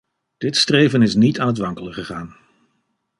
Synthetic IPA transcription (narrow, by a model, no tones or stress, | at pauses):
d̥ɪtstrejvənɪsnitaːnɦətʋɑŋkələχəχaːn